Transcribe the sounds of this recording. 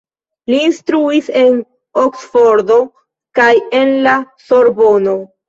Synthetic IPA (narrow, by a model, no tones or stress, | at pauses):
liːnstɾuise̞n | oksfo̞ɾdo̞ | kaje̞nlaso̞ɾbo̞no̞